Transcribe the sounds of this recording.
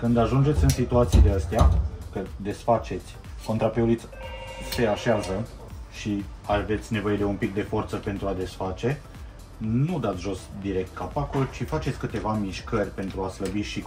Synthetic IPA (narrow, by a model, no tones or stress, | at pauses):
kɨnd̪aʒund͡ʒe̞t̪sʲɨnsit̪uat̪sijd̪eəst̪eakəd̪e̞sfat͡ʃe̞t̪sʲ | ko̞nt̪ɾapeulit̪sʲse̞aʃeazə | ʃiave̞t̪sʲne̞vo̞je̞d̪e̞umpik̚d̪e̞fo̞rt̪səpe̞nt̪ɾuad̪e̞sfat͡ʃe̞ | nud̪at̪sʲʒo̞sd̪iɾe̞k̚t̪̚kapakolt͡ʃifat͡ʃe̞t̪sʲkɨt̪e̞vamiʃkərʲpe̞nt̪ɾuasləbiʃi